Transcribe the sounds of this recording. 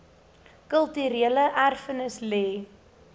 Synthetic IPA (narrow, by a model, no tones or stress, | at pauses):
kəlˠtyɾiələʔærfənəslɛː